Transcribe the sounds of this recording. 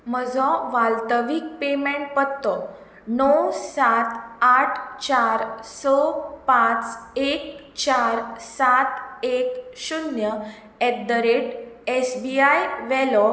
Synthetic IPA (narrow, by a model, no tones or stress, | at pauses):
m̤əd͡zʱɔʋalt̪əʋik̚pemẽɳʈ̚pət̪ːɔ | nɔwsat̪aʈʰt͡ɕaɾsɔpãt͡sek | t͡ɕaɾsat̪ekɕunjə | ɛd̪əɾeʈesbiajʋɛlɔ